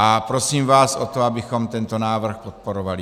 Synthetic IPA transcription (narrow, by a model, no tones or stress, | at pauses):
ʔapɾosiːmvaːsot̪oabɪxomt̪ɛnt̪onaːvr̩xpot̪̚poɾovali